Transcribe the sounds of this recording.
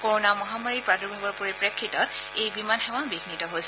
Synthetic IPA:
koɹɔnamɔɦamaɹipɹadɔɹbʱabɔɹpuɹipɹekʰːitɔtejbimanxɛwabiɡinitɔɦojsɛ

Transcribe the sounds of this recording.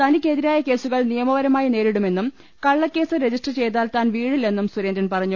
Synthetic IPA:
t̪ʰɐnikʲːe̞ðiɾaːjɐke̞ːsuɣɐɭnijɐmɐʋɐɾɐmaːjine̞ːɾiɽume̞nːum | kɐɭːɐkʲːe̞ːsɨɾe̞d͡ʑisʈrt͡ɕe̞jt̪aːlt̪aːnʋiːɽilːe̞nːumsuɾendɐnpɐrɐɲːu

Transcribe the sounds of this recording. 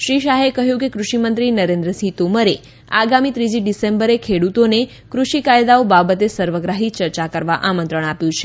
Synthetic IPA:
ʃɾiʃaɦekəɦjũkekɾuʃimənt̪ɾinəɾẽnd̪ɾəsit̪oməɾe | aɡamit̪ɾid͡ʒiɖisembəɾekʰeɽut̪one | kɾuʃikajd̪aobabət̪esəɾʋəɡɾaɦit͡ʃəɾt͡ʃakəɾʋaʔamə̃nt̪ɾəɳ̃apjũt͡ʃʰe

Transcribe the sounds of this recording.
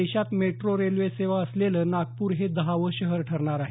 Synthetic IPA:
eɕat̪meʈɾoɾelʋeseʋaəsleləːnaɡ̚puːɾɦed̪əɦaʋəɕəɦəɾʈʰəɾɳaɾaɦe

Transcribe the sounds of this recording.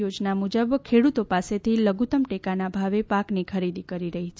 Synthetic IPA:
jod͡ʒnamud͡ʒəbkʰeɽut̪opaset̪ʰiləɡut̪əmʈekanabʱaʋepaknikʰəɾid̪ikəɾiɾəɦit͡ʃʰ

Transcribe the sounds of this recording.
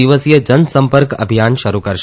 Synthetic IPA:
iʋəsjəd͡ʒənsə̃mpəɾkə̰bʱijanʃəɾukəɾʃ

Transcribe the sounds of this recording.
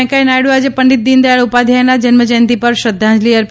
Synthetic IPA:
kajnajɽuad͡ʒepəɳɖit̪̚d̪ind̪ajəɭupad̪ʱanad͡ʒənməd͡ʒə̃nt̪ipəɾʃəd̪ʱːãd͡ʒliəɾ

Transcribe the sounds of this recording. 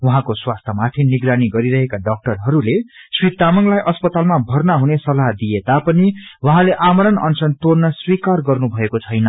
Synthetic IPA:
wɦãkoswast̪ʰʌmat̪ʰiniɡɾaniɡʌɾiɾʌɦekaɖʌk̚ʈʌrɦʌɾuleswit̪ːamʌŋlajʔʌspʌt̪almabʱʌrnaɦunesʌlaɦd̪ijet̪apʌniwʌɦãleʔamʌɾʌnʌ̰nsʌnt̪ornʌswikarɡʌrnubʱʌekot͡sʰʌjnʌ

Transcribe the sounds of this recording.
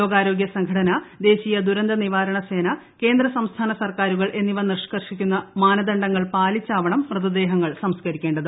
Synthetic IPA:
lo̞ːɡaːɾo̞ːɡjɐsɐŋɡʱɐʈɐnɐd̪e̞ːɕiːjɐd̪uɾɐnd̪ɐniʋaːɾɐɳɐse̞ːnɐ | ke̞ːnd̪ɾɐsɐmst̪ʰaːnɐsɐrkaːɾuɣɐɭʔe̞nːiʋɐnirʂkɐrʂikʲːunːɐmaːnɐd̪ɐɳɖɐŋːɐɭpaːlit͡ɕːaːʋɐɳɐmːrɨðɐd̪e̞ːɦɐŋːɐɭsɐmskɐɾikʲːe̞ːɳɖɐðɨ

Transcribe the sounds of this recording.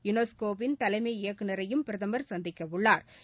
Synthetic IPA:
jʊnoskoːpɪnt̪ɐlɐɪmɐɪjɐkːɯnɐɾɐjɯmpɪɾɐðɐmɐɾsɐnd̪ɪkːɐʋɯɭːaːɾ

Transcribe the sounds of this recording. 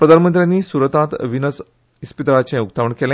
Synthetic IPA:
pɾəd̪ʱanmənt̪ɾjãnːiːsuɾət̪ãt̪ʋinəs | ispit̪ɾat͡ɕẽukt̪aʋəɳkelẽ

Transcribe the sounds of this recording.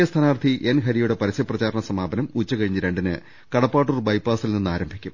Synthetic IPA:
est̪ʰɐnaːrt̪ʰiʔenɦɐɾijuɽe̞pɐɾisjɐprɐt͡ɕaːɾɐɳɐsɐmaːbɐnɐmut͡ɕːɐkɐɻiɲːɐɾe̞ɳɖinɨ̰ | kɐɽɐpːaːʈ̬ːurbɐjpaːsilninːaːɾɐmbʱikʲːum

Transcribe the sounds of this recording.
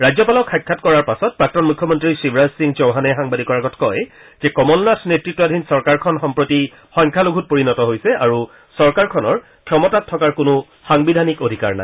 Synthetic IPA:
ɹajzɔpalɔkʰːajkʰːatkɔɹaɹpasɔt̚pɹak̚tɔnmukʰːɔmɔntɹisibɹazsiŋzowɦanɛxaŋbadikɔɹaɡɔtʰkɔj | z̥ɛkɔmɔlnatʰnetɹitːɔadʱinsɔɹkaɹkʰɔnxɔmpɹoti | xɔjŋkʰaloɡʱut̚poɹinɔtɔɦojsɛaɹu | sɔɹkaɹkʰɔnɔɹ | kʰjɔmɔtatʰːɔkaɹkʊnʊ | xaŋbidʱanikodʱika̰ɹna̰j

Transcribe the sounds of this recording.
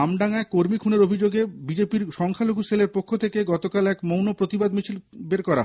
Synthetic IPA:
amɖaŋaekoɾmikʰuneɾobʱid͡ʑoɡebid͡ʑepiɾʃɔŋkʰaloɡʱuseleɾpokʰːot̪ʰekeɡɔt̪okalɛkmownopɾot̪ibad̪mit͡ɕʰilbeɾkɔɾa̰ɦ

